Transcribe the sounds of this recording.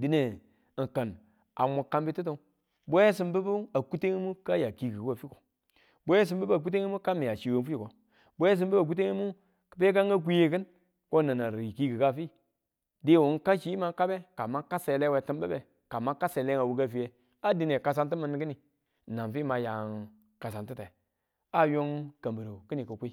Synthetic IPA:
di˨ne˨ | kə˨n | a̰˨mu˨kːa˦mbi˦ti˦t̬o˦ | bo˦e˦s̬ɨ˦mbə˦bu˦a˨ku˦te˦ŋi˦mu˦ka˦ja˨ki˨ɡi˨ka˨fi˦ko̥˨ | bo˦e˦s̬i˦mbə˦ba˨k̬u˦te˦ŋi˦mu˦ka˦mi˨ja˨t͡ʃi˨wo˦n˦fu˦i˦˨ko˨ | bo˦e˦s̬ɨ˦m˦bə˦ba˨k̬u˦t̬e˦ŋi˦mu˦ | kə˨pe˦ka˦ŋ˦ɡa˦k̬ʷi˦je˦kɨ˦n | ko˦na˨na˨ɾi˨ki˦ɡə˨ka˦˨fi˦˨ | de˦˨wu˨˦ŋ˦ka˦ʃi˦ma˦ka˦be˦ka˨ma˦ka˦se˨le˦we˨tɨ˦mbə˦be˨ | ka˨ma˦ka˦se˨le˦ŋa˨wu˨ɡa˦fi˨˦je˨ | a˦di˦ne˨ka˦s̬a˦ntɨ˦mə˨nː˦kɨ˦ni˨ | na˨nfi˦˨ma˨ja˨ŋ | ka˨sa˨ntɨ˦te˨ | a˦jo˦ŋka˨mbə˨ɾo˨kɨ˦ni˨kə˨kʷi˦

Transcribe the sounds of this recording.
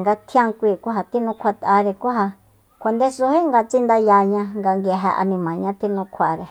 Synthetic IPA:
ŋɡa˧t̪ʰi˦ã˦ŋkʷiː˦˧˨kʷu˦ɦa˧t̪i˦nũ˧kʷa˧t̪a˧ɾe˧kʷu˦ɦa˧ | kʷa˧nd̪e˦su˧ɦi˦ŋɡa˧t͡ʃi˦nd̪a˧ja˧ɲã˧ŋɡa˧ŋɡe˧ɦa̰˧ʔa̰˧nĩ˧mã˨ɲã˦t̪i˦nũ˧kʰʷa˨ɾe˨

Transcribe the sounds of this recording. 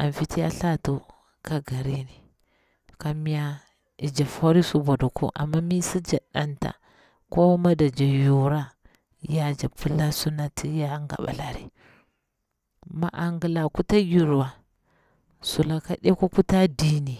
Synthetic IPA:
a˨n˨fi˦ti˦ja˦ɬa˦to˨ | ka˦ɡa˨ɾi˦ni˨ | ka˨mi˦ja˦ | i˨d͡ʒa˨fo˦ɾi˦su˨bo˨du˨kʰo̰˦ʔa̰˨mːa˦mi˦si˦d͡ʒa˨ɗa̰˦nta̰˨ | ko˦ma˦da˨d͡ʒa˨ju˨ɾa˦ | ja˦d͡ʒa˨pʰu˦la˦su˦na˨tʰi˦ja˦ŋɡa̰˨ɓa̰˨la˨ɾḭ˦ | ma̰˨ʔa˨ŋɡi˨la˨ku˦ta˦ju˨ɾwa˨ | su˨la˨ka˨ɗa˦ko˦ku˦ta˦di˦ni˨

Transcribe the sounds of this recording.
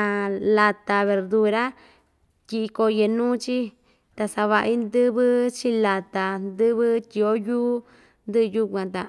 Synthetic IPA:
la˧t̪a˧βe˧ɾd̪u˧ɾa˦ | tʲi˧ʔi˧ko˧je˧nũː˦t͡ʃi˦ | t̪a˧sa˧βa˧ʔi˦nd̪ɨ˦βɨ˦t͡ʃi˦la˧t̪a˧nd̪ɨ˦βɨ˦tʲi˧o˦juː˦ | nd̪ɨ˦ʔju˦kʷã˧t̪a˧˨

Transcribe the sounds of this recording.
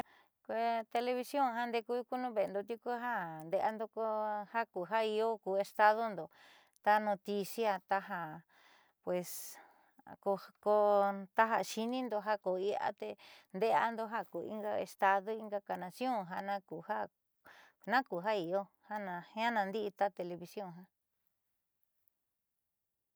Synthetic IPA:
kʷe˧t̪e˧le˧βi˧sjõ˦˨ɦa˦nd̪e˧ku˦ku˦nũ˦˧βe˨˧nd̪o˧t̪̬i˧ku˦ɦa˦nd̪e˧a˧nd̪o˧ko˧ha˦ku˨ɦa˦i˧o˦kuː˨e˧st̪a˧ðo˦nd̪o˨ | t̪a˧nõ˧t̪i˧si˦a˧t̪a˧ɦa˧ | pwe˨s | ko˧ko˧t̪a˦ɦa˧ʃi˧nĩ˦nd̪o˧ɦa˦ko˨i˧a̰˦t̪e˧nd̪e˦a̰˧nd̪o˧ɦa˦ku˨ḭ˦ŋɡa˧ḛ˧st̪a˧ðo˦i˧˦ŋɡa˧ka˧nã˧sjõ˦˨ɦa˧nã˦ku˨ha˦ | nã˦ku˨ɦa˦i˨o˦ | ha˦nã˧hã˦nã˧nd̪i˦ʔi˧t̪a˦t̪e˧le˧βi˧sjõ˦˨ɦa˧

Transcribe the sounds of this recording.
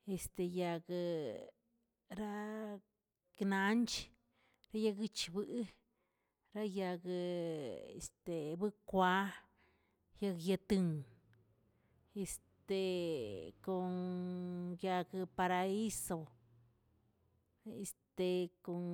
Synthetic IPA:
e˨st̪e˧ja˧ɡɨ˧ | ɾa˦ | kna˧nt͡ʃ | ɾa˦ja˧ɡɨ˦t͡ʃbɨ˦ʔ | ɾa˦ja˧ɡɨ˧ | ḛ˨st̪e˨bɨ˦kʷa˧˦ | ja˧ɡja˧t̪ɨ˧ŋ | e˧st̪e˨ | ko˧ | ja˧ɡɨ˧pa˧ɾa˧i˦so˧ | e˧st̪e˨ko˧ŋ

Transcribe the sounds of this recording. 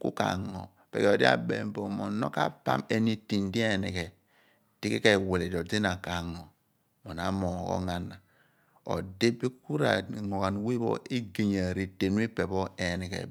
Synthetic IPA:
kṵ˦ka̰˨ŋo̰˨ | pḛ˨ke˨o˨di˦a̰˦bḛ˨˦m˦bo˨mo˨no̰˦ka̰˦pa̰˦me˦ni˨ti˨n˦di˦e˦˨ni˨kɛ˨ | ti˦ki˦ke˦˨we˨le˨do˨di˦na˨ka˨ŋo˨ | mo˨na˨˦mo˨ɣo̰˦ŋa˦nːa˨ | o̰˨de˦bi˦ku˦ɾa̰˨ŋo˨ɣa˨n˦wi˦bo̰˦i˦ɡe˨ɲa˨ɾi˦te˨nu˦i˦pe˨bo˦e˨ni˨kḛ˨

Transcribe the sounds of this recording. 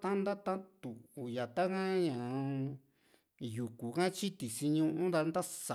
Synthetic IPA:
t̪ã˦nd̪a˦t̪ã˦t̪u˨u˨ja˨t̪a˦kã˦ɲã˨˧ | ju˨ku˨kã˦t͡ʃi˦t̪i˨si˧ɲũ˧ʔũ˦nd̪a˧nd̪a˦sa˨

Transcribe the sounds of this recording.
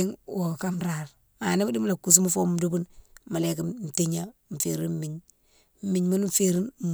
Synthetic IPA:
ŋwo˨ka˦mɾa˨ɾ | ma˨ni˦mu˦di˦m˦la˨ku˨s̬u˦mu˦fo˦m˦du˦bu˦nma˨le˨ka˦m̩˨te˦ɲa˦m̩˨fḛ˨ɾi˦n˦mi˦ɲ | m̩˦mi˨ɲmu˦n˦m˦fe˦ɾi˦n˨

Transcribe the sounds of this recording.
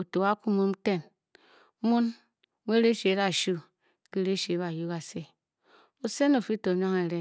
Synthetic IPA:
o˨to˨wa˦ku˦mu˦m˦te˦˨n˦ | mu˦n | me˦ɾe˦ʃe˨˦ɾa˦˨ʃu˦ | ki˦ɾe˦ʃe˨˦βa˨ju˦ɡa˨se˦ | o˦se˦no˨fi˦to˨ɲ˦o˦ŋe˨ɾe˦

